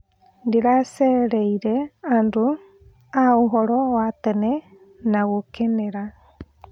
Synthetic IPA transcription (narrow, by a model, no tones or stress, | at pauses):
ndiɾaseɾeiɾeandu | auɦoɾowat̪ene | naɣukeneɾa